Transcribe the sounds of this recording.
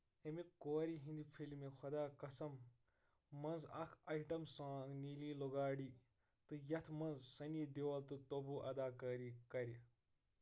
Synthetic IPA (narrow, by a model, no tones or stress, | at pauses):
emikoːɾiɦĩnd̪ipʰilmekʰɐd̪aːkɐsɐmː | ɐnzɐ̰kʰɐjʈɐmsãːniliːloɡaːɽiː | t̪ɨjɐt̪ʰmɐnzsɐnid̪ewɐlt̪ɨt̪obuʔɐ̰d̪aːkɐːɾikɐɾi